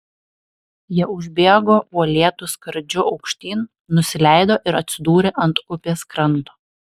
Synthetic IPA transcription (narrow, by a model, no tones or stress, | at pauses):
jiɛʊʒʲbʲeːɡoːuɔlʲeɛt̪ʊskɐɾd͡ʒʲʊɒʊkʃʲt̪ʲiːn | nʊsʲɪlʲæˑɪd̪oːʔɪɾɐt̪ʲsʲɪd̪uːɾʲeːʔɐnt̪ʊpʲeːskɾɐnˑt̪o̥ː